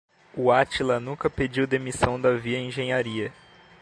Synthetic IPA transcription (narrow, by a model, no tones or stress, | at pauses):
uat͡ʃilɐnũkɐped͡ʒiwd̪emisɐ̃w̃d̪ɐviɐẽʒẽɲaɾiɐ